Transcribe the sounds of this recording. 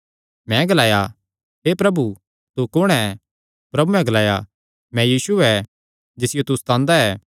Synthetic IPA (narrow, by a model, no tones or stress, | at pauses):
mɛ̃ɡɐlaːja | ɦepɾɐbu | t̪ukʊɽ̃ɛ | pɾɐbuɛ̃ɡɐlaːja̰ | mɛ̃jiːsuɛ | d͡ʒɪsɪjot̪ʊst̪ãːnd̪aɛː